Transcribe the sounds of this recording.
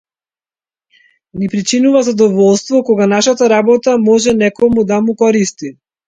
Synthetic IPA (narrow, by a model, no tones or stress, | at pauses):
nipɾit͡ʃinuvazad̪ɔvɔlˠst̪vɔkɔɡanaʃat̪aɾabɔt̪amɔʒɛnɛkɔmud̪amukɔɾist̪i